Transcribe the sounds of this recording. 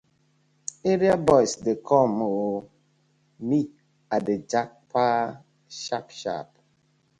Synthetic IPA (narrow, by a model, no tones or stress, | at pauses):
eɾiabɔjsdɪkʰɔmo | mi | adɪd͡ʒak̚pa | ʃapʃa̰p